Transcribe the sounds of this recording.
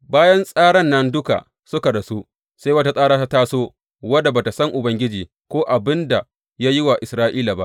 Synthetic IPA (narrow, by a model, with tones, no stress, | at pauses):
baː˦jɐ˦nsʼaː˦ɽɐ˦nːɐ˦ndʊ˦ka̰˨ | sʊ˦ka˨da˨su˦ | sa˦jwɐ˦ta˦sʼaː˦ɽaː˦ta˦taː˦soː˦ | wɐ˦da˨baː˨ta˨sɐ˦ŋʔʊ˨bɐ˦ŋɡʲɪ˦d͡ʒiː˨ | kʷoː˦ʔa˨bɪ˦nda˨ | ja˦jɪ˦wa˨ʔɪ˨sɾaː˦ʔiː˦la˨ba̰˦ʔ